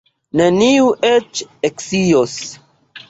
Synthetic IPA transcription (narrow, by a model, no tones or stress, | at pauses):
neniuʔet͡ʃeksijos